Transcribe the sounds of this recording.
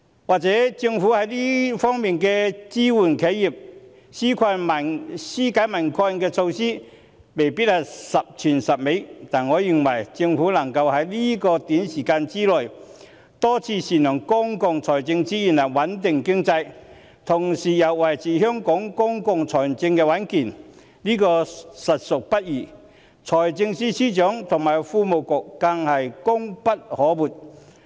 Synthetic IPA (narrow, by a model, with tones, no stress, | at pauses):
waː˨˩k̚t͡sɛː˨˥t͡sɪ˧ŋfuː˨˥hɐ˨˥jliː˥fɔː˥ŋmiː˨nkɛː˧t͡siː˥wuː˨˩nkʰe˨˥jːi˨˩p̚ | siː˥kʰa˧mɐ˨˩siː˥kaː˨˥jmɐ˨˩nkʰa˧nkɛː˧t͡sʰo˧wsiː˥ | me˨˩jpi˥t̚hɐ˨˩sɐ˨p̚t͡ʃʰyː˨˩nsɐ˨p̚me˨˥t̪aː˨˩nŋɔː˨˧jyː˨˩nwɐ˨˩jt͡sɪ˧ŋfuː˨˥lɐ˨˩ŋkɐ˧whɐ˨˥jliː˥kɔː˧t̪iː˨˥nsiː˨˩kaː˧nt͡siː˥lɔː˨˩j | t̪ɔː˥t͡sʰiː˧siː˨˩nœː˨˩ŋkʊ˥ŋkʊ˨˧ŋt͡sʰɔː˨˩jt͡sɪ˧ŋt͡siː˥ji˨˩nlɐ˨˩wɐ˨˥nt̪ɪ˨ŋkɪ˥ŋt͡sɐ˧j | t̪ʰʊ˨˩ŋsiː˨jɐ˨˩wːɐ˨˩jt͡sʰiː˨˩ɦœː˥ŋkɔː˨˥ŋkʊ˥ŋkʊ˧ŋt͡sʰɔː˨˩˨t͡sɪ˧ŋkɛː˧wɐ˨˥nkiː˨˩n | liː˥kɔː˧sɐ˨t̚sʊ˨k̚pɐ˥t̚jiː˨˩ | t͡sʰɔː˨˩jt͡sɪ˧ŋsiː˥siː˥t͡ʃœː˨˥ŋt̪ʰʊ˨˩ŋmaː˨˩jfuː˧mo˨wkʊ˨k̚ːa˧ŋhɐ˨jkʊ˥ŋpɐ˥t̚hɔː˨˥wuː˨˩t̚